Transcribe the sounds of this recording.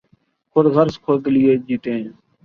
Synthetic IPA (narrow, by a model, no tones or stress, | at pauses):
kʰʊɾɣəɾskʰoːd̪lɪjeːd͡ʒiːt̪ẽː